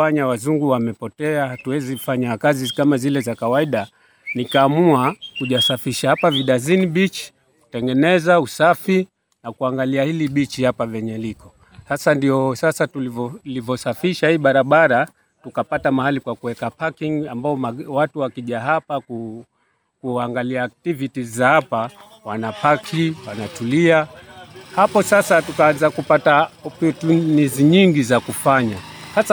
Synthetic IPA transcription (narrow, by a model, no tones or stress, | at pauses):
aɲawazuŋɡuwamɛpɔtɛahatuwɛziufaɲakazikamazilɛzakawaiɗa | nikaːmuakuʄasafiʃahapaviɗaziniɓit͡ʃi̥ | ku̥tɛŋɡɛnɛzausafi | nakuaŋɡaliahiliɓit͡ʃihapavɛɲɛlikɔ | hasandiɔsasatulivɔlivɔsafiʃahiɓaɾaɓaɾa | tukapatamahalikwakuwɛkapakiŋambaɔmawatuwakiʄaɦapaku | kuaŋɡaliaːk̚tivitizahapa | wanapakʰiwanatulia | hapɔsasatukaanzakupataɔptuniziɲiŋɡizakufaɲahasa